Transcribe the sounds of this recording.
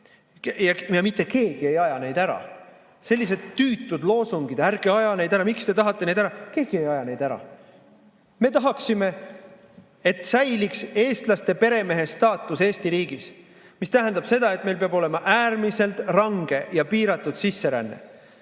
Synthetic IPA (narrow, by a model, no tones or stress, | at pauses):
jɑjɑmit̪ːˑe̞ke̞ːɡ̥ie̞jɑjɑne̞jd̪æɾɑ̰ | se̞lʲːise̞d̪̥t̪ːyːt̪ːˑud̪̥lo̞ːsuŋɡ̥id̪̥æɾɡe̞ɑjɑne̞jd̪æɾɑmikst̪e̞t̪ɑɦɑt̪ːˑe̞ne̞jd̪æɾɑke̞ːɡ̥ie̞jɑjɑnejd̪̥æɾɑ̰ | me̞t̪ɑɦɑksime̞ | e̞t̪sæjlikse̞ːst̪lɑst̪e̞pe̞ɾe̞me̞ɦe̞st̪ɑːt̪ːˑuse̞ːst̪iɾiːɡis | mist̪æɦend̪ɑb̥se̞d̪̥ɑe̞t̪me̞jlpeɑbo̞le̞mɑʔæːɾmise̞lt̪rɑŋɡ̥e̞jɑpiːɾɑt̪ːˑud̪̥sisːe̞ɾæ̰nːḛ